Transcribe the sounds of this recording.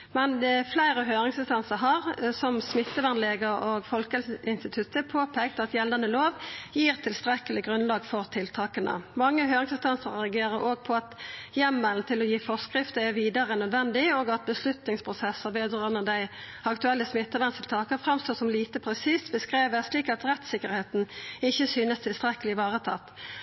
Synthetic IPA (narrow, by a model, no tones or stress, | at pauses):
mɛnd̪ɛɛflæɪʁəɦøːʁɪŋsɪst̪ɑnsəɦɑʁsɔmsmɪt̪ːəʋænleːɡəɾoːɡfɔlkəlɪnst̪ɪt̪ʰʉt̪əpʰoːpʰeːk̚t̪ɑt̪jɛld̪ɑnəloːʋjiːʁt̪ʰɪlst̪ɾɛkəlɪɡʁʉnlɑːɡfɔʁt̪ʰɪlt̪ʰɑːkənə̰mɑŋːəɦøːʁɪŋsɪnst̪ɑnsəʁʁɛɑɡeːʁəɾʔoːɡ̚pʰɔɑt̪jɛmːəlnt̪ʰɪlɔjiːfɔskʁɪft̪əæʁʋiːd̪ɑʁənœd̪ʋɛnd̪ɪoːɡɑt̪̚bəslʉt̪nɪŋspʰʁʊsɛsːəʁʋeːd̪ʁɑʁnəd̪æɪ | ɑkt̪ʉɛlːəsmɪt̪ːəʋɑnst̪ʰɪlt̪ʰɑːkəʁfʁɑmst̪oːsɔmliːt̪əpʰʁɛsiːst̪bəskʁeːʋəsliːkɑt̪ʁɛt̪sɪkəʁheːt̪n̩ɪçːəsyːnəst̪ʰɪlst̪ʁɛkəlɪʋɑːʁət̪ʰɑ̰t̪ː